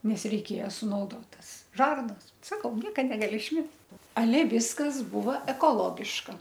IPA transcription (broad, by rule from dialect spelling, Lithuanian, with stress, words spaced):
ˈnʲɛs rʲɛɪˈkʲeːjɛ sʊnɐʊˈdoːt ˈtɐs ˈʒɐrnɐs ˈsɑːkɐʊ ˈnʲiɛkɐ nʲɛɡɐˈlʲɪ ɪʃʲˈmʲɛs ɐˈlʲɛ ˈʋʲɪskɐs ˈbuːʋɐ ɛkoːˈlˠoːɡʲɪʃkɐ